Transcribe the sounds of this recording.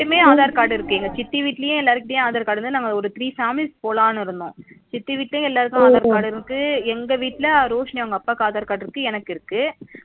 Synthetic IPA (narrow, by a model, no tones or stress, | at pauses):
ɽɯmeːaːðaːɾkaːɽɪɾɯkːɯiːŋɡɐt͡ʃɪt̪ːiʋiːʈːɪlɐjʊ̃ɛlːaːɾɯkːɪɽɐj̃aːðaːɾkaːɽɯnd̪ɯnaːŋɡɐɔɾɯt̪ɪɾiːfaːmɪlspoːlaːnɪɾɯnd̪õ̰ːt͡ʃɪt̪ːiʋiːʈːlɐjʊ̃ɛlːaːɾɯkːʊ̃aːðaːɾkaːɽɪɾɯkːɯɛŋɡɐʋiːʈːɪlɐɾoːʂnɪjɐŋɡɐpːaːkːaːðaːɾkaːɽɪɾɯkːɯɛnɐkːɪɾɯkːɯ